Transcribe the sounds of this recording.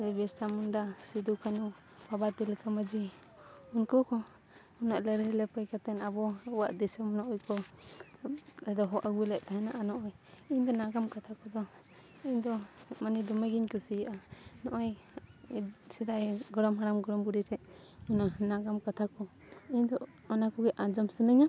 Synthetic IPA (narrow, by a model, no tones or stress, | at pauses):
ɛbɛstamundasid̪ukanu | babat̪ilkaməd͡ʒi | unkukɔ | unaʔləɾɛlɛpəjkat̪ɛnabɔwaʔd̪ɛsɛmɔnɔʔujkɔ | ɛd̪ɔɦɔʔaɡuilɛʔ̚t̪aɦɛnaʔanɔʔɔjind̪ɔnaɡamkat̪ʰakɔd̪ɔ | ind̪ɔmanid̪ɔmeɡinkusijʔanɔʔɔj | sɛd̪ajɡɔɾɔmɦaɾamɡɔɽɔmbuɾiɾɛʔ | unanaɡamkat̪ʰakɔ | ind̪ɔ | ɔnakɔɡɛʔad͡ʒɔmsənəɲa